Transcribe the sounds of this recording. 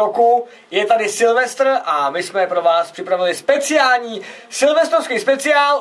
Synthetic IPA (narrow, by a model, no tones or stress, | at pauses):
oku | jɛt̪adɪsɪlvɛst̪r̩ʔamɪsmɛpɾo̞vaːspr̥ɪpɾavɪlɪspɛt͡sɪaːlɲiːsɪlvɛst̪ɾofskiːspɛt͡sɪaːl